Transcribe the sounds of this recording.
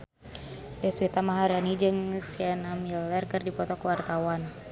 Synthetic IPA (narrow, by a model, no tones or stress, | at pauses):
ʔɛswit̪amaɦaɾanid͡ʒɨŋsianamilɛrkɨrdipɔt̪ɔkəwart̪awan